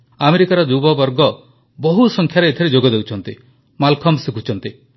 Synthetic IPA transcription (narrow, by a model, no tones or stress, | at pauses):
ameɾikaɾɔd͡ʒubɔbɔɾɡɔ | bɔɦusɔŋkʰjaɾeet̪ʰɔɾed͡ʒoɡɔd̪ewt͡ʃʰɔnt̪i | malkʰɔmsikʰut͡ʃʰɔnt̪i